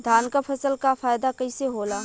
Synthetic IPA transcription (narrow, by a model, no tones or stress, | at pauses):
d̪ʱaːnkapʰɐsəlkafʰaːjd̪akɐiseɦoːlaː